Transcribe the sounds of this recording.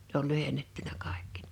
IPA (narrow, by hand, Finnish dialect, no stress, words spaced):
ne ol lyhenːetːynæ kɑˑekːi